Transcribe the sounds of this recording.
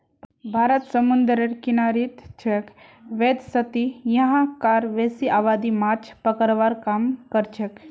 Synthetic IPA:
bʱaːɾət̪səmund̪ɾəɾkinaːɾit̪t͡ʃʰekʋeːd̪sət̪ijɐɦãkaːɾʋeːsiʔaːʋaːd̪imaːt͡ʃʰpəkəɾʋaɾkaːmkəɾt͡ʃʰək

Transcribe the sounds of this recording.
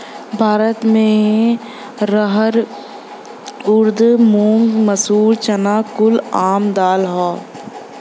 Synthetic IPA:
bʱaːɾət̪mẽ | ɾəɦəɾ | ʊɾd̪mũːŋɡməsuːɾt͡ʃənaːkʊlaːmd̪aːlɦaː

